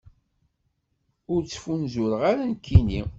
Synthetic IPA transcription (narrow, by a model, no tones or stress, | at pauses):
ʊɾt͡sːə̥funzʊɾəʁaɾankʰːini